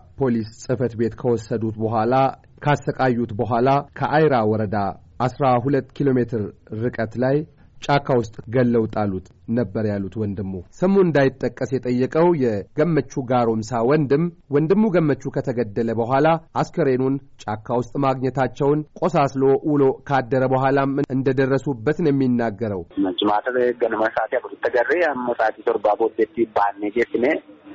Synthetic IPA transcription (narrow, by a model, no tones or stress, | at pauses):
pʰo̞lissʼɨfət̪be̞t̪kʰəwɔsːəd̪ut̪bəɦʷala | kʰasːəkʼajːut̪bəɦʷalakʰəʔajɾawɔɾəd̪aʔasɾaɦulət̪ːkʰilo̞me̞t̪ʰɨɾːɨkʼət̪laj | t͡ʃʼakʰːawʊst̪ʼɡəlːəwt̪ʼalːut̪ | nəbːəɾjalːut̪wɔnd̪ɨmːusəmuɨnd̪ajɪt̪ʼːəkʼːəsjɛt̪ʼəjːəkʼəwjɛɡ̥əmːət͡ʃːuɡaɾo̞msawɔnd̪ɨmwɔnd̪ɨmːuɡəmːət͡ʃːukʰət̪ʰəɡəd̪ːələbəɦʷalaʔaskʰəɾenunt͡ʃʼakʰːawʊst̪ʼmaɡɲɛt̪at͡ʃːɛwnkʼo̞saslo̞ʔulo̞kʰad̪ːəɾəbəɦʷalamɨʔɨnd̪əd̪ərːəsubːət̪njɛmːinːaɡːəɾəwməd͡ʒɪmat̪ʰɡənməsat̪jakutut̪ʰːəɡərːejamməsʼat̪isoɾbabod̪et̪ːibanːed͡ʒet̪ːɨne